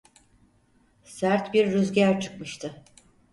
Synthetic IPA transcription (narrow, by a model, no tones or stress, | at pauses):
sæɾt̪biɾːyzɟæɾt͡ʃʰɯ̥kmɯʃt̪ʰɯ